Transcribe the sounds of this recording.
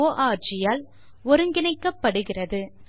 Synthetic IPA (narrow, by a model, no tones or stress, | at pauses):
oːʔaːt͡ʃɪjaːl | ɔɾɯŋɡɪnɐɪkːɐpːɐɽɯɣɪrɐðɯ